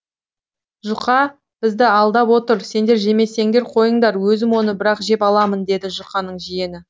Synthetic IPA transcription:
ʒʊqɑ | b̥ɪzd̪ɪɑlˠd̪ɑpwo̞t̪əɾse̞nd̪e̞ɾʒe̞me̞se̞ŋd̪e̞ɾqʰo̞jəɴd̪ɑɾwɵzɪmwo̞nəbɪɾɑqʒe̞pɑlˠɑmənd̪e̞d̪ɪʒʊqɑnəɴʒije̞nɪ

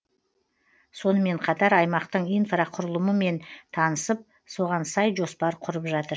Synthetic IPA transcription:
so̞nəme̞ɴqʰɑt̪ɑɾɑjmɑqt̪əɴijnfrɑqʰʊɾəlˠəməme̞nt̪ʰɑnəsəp̚ | so̞ʁɑnsɑjʒo̞spɑɾqʰʊɾəpʒɑt̪əɾ

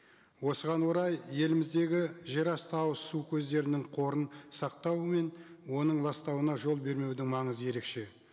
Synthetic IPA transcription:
wo̞səʁɑnwo̞ɾɑjje̞lɪmɪzd̪e̞ɡʲɪʒe̞ɾɑst̪ɑwəsːukʲʰɵzd̪e̞ɾɪnɪŋqʰo̞ɾənsɑq̚t̪ɑwəme̞n | wo̞nəɴlˠɑst̪ɑwənɑʒo̞lˠbe̞ɾme̞wd̪ɪŋmɑɴəzəje̞ɾe̞kʃe̞

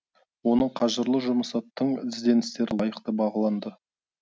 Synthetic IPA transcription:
wo̞nəqʰɑʒəɾlˠəʒʊməsɑt̪ːəɴʰɪzd̪e̞nɪst̪e̞ɾɪɑjəqt̪əbɑʁɑlˠɑnd̪ə

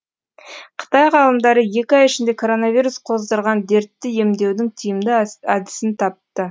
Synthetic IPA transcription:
qʰə̥t̪ɑjʁɑlˠəmd̪ɑɾəje̞kʲɪɑjɪʃɪnd̪e̞kʰo̞ɾo̞navijɾusqʰo̞zd̪əɾʁɑnd̪e̞ɾt̪ːɪje̞md̪e̞wd̪ɪŋt̪ʰijɪmd̪ɪɑd̪ɪ̥sɪnt̪ʰɑp̚t̪ə

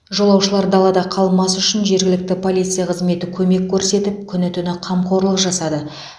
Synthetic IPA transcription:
ʒo̞lˠɑwʃəlˠɑɾd̪ɑlˠɑd̪ɑqʰɑlˠmɑsʏʃɪnʒe̞ɾɡʲɪlɪk̚t̪ɪpʰo̞lʲijt̪sɨjɑqʰəzme̞t̪ɪkʲʰɵme̞kʲʰːɵɾse̞t̪ɪp̚kʲʰʏnɪt̪ʰʏnɪqʰɑmqʰo̞ɾlˠəqʒɑsɑd̪ə

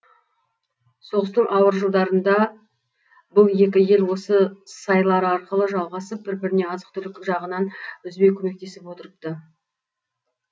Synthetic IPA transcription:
so̞ʁəst̪əɴʔɑwəɾʒəlˠd̪ɑɾənd̪ɑ | bʊlˠje̞k̬ʲɪje̞lwo̞səsɑjlˠɑɾəɑɾqəlˠəʒɑlˠʁɑsəp̚bɪɾbɪɾɪne̞ɑzəq̚t̪ʰʏlɪkʒɑʁənɑnʏzbe̞kʲʰɵme̞k̚t̪e̞sɪpwo̞t̪əɾəp̚t̪ə

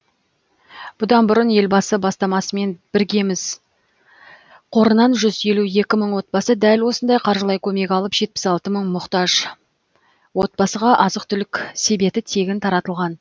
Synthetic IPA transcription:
b̥ʊd̪ɑnbʊɾənje̞lbɑsəbɑst̪ɑmɑsəme̞nb̥ɪɾɡʲe̞mɪz | qʰo̞ɾənɑnʒʏzje̞luje̞kʲɪməɴwo̞t̪̚bɑsəd̪ælwo̞sənd̪ɑjqʰɑɾʒəlˠɑjkʲʰɵme̞kʲɑlˠəpʒ̥e̞t̪̚pɪ̥sɑlˠt̪əməɴmʊqt̪ɑʒ | wo̞t̪̚bɑsəʁɑʔɑzəqt̪ʰʏlɪkʲse̞be̞t̪ɪt̪ʰe̞ɡʲɪnt̪ʰɑɾɑt̪əlˠʁɑn

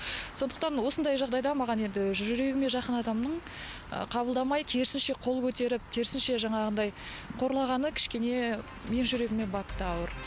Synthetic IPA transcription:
so̞nd̪əq̚t̪ɑnwo̞sənd̪ɑjʒɑʁd̪ɑjd̪ɑmɑʁɑne̞nd̪ɪʒʒʏɾe̞ɡʲɪme̞ʒɑqənɑd̪ɑmnəɴ | ə̰qʰɑbəlˠd̪ɑmɑjkʲʰe̞ɾsɪnʃe̞qʰo̞lˠkʲʰɵt̪e̞ɾɪp̚kʲʰe̞ɾsɪnʃe̞ʒɑɴɑʁənd̪ɑj | qʰo̞ɾlˠɑʁɑnəkʲʰɪ̥ʃkʲe̞ne̞ | me̞nʒʏɾe̞ɡʲɪme̞nbɑt̪ːəɑwəɾ

